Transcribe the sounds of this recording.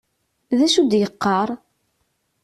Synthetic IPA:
ðæʃud̪jəqːɑɾˤ

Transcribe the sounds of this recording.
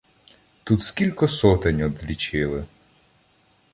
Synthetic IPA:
t̪ut̪skʲilʲkɔsɔt̪ɪnʲɔd̪lʲit͡ʃɪlˠɪ

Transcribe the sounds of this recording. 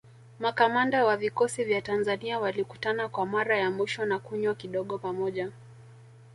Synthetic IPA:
makamandawavikɔsivjatanzaniawaliku̥tanakwamaɾajamwiʃɔnakuɲwakiɗɔɠɔpamɔʄa

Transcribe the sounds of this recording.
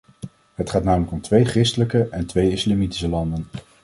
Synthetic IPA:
ɦətχaːtnaːmələkɔmtʋejχrɪstələkəʔɛntʋejɪslamiti̥səlɑndən

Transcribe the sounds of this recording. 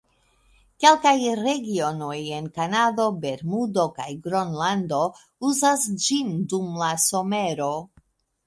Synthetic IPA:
ke̞lkajɾe̞ɡio̞no̞je̞nkanado̞be̞ɾmudo̞ka̰jɡɾo̞nlando̞ | uzasd͡ʒindumlaso̞me̞ɾo̞

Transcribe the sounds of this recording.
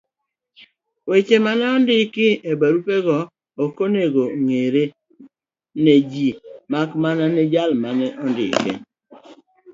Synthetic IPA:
wet͡ʃemanɛɔndɪkɪeɡ͡baɾupeɡɔ | okoneɡoŋeɾe | ned͡ʒimakmananed͡ʒalmanɛʔɔndɪ̰kɪ̰

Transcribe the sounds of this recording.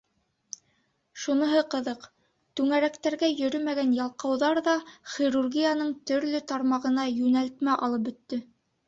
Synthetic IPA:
ʃunɤ̆ɦɤqɤ̆ðɤq | t̪ʉŋæɾækt̪æɾɡæjɵ̆ɾɵmæɡænjɑlˠqɑwðɑɾðɑχirurɡʲijanɤɴt̪ɵ̆ɾlɵt̪ɑɾmɑʁɤ̆nɑjʉnælt̪mæʔɑ̰lˠɤp̚bɵ̆t̪ːɵ

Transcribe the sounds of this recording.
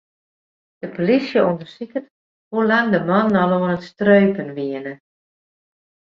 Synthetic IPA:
d̥əpolisjəondərsikət | hulaŋdəmɔnːɔloənənstrøːpənʋiənə

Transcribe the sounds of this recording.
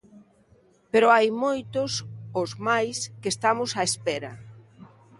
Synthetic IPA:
peɾoajmojt̪ʊsozmajskest̪amʊsaespɛɾɐ̰

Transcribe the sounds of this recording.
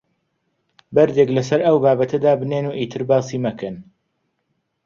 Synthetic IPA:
bɐɾd̪eklɐsɐɾɐwbaːbɐt̪ʰɐd̪aːbɨneːnuːʔit̪ʰɨɾbaːsiːmɐkɨn

